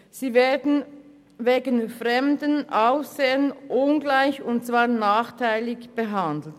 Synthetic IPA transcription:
z̥iːveːdn̩ | veːɡənfʁɛmdənʔaʊsz̥eːənʔʊnɡlaɪçʊnt̚t͡sv̥aːnaːχtʰaɪlɪçb̥əɦandl̩t

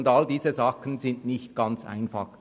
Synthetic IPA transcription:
ndaldiːzəzɑχən̩zɪntnɪçtɡ̥ɑnt͡sa̰ɪnfɑ̰χ

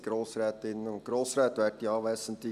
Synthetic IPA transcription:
ɡ̥ɾoːsɾɛːt̪ɪnːəɔɡ̥ɾoːsɾɛːt̪ʋæʈːiɑːʋɛːsənt̪i

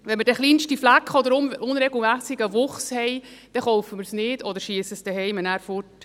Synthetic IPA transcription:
ʋɛnməɾd̥ɛχliːnʃtiflækχɔd̪əɾʊnʊnɾɛɡl̩mæːsɪɡəʋʊχshɛɪd̥ɛχowfəməɾsnɪdɔd̪əɾʃiəsəsd̥ɛɦɛɪmənæːɾfɔt

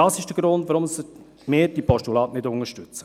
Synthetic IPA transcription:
ɑsɪʃd̥əɡɾʊndvʋaɾʊms | mɪːɾd̥ipɔʃtulɑːtnɪdʊŋəʃtʏt͡sə̥

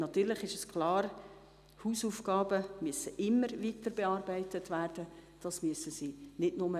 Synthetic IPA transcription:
nɑtyːɾləχɪʃɛskʰlɑːr | huːsuːfɡ̥ɑːbəmyəsəʔɪmːəɾvitəɾbɛɑːrbɛɪtətʋæːrd̥əd̥ɑsmyəsəsinɪdnʊmə

